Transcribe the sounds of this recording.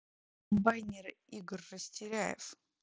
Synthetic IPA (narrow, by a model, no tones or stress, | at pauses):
kəmbajnʲɪriɡərʲːəsʲtʲɪɾʲæjɪ̰f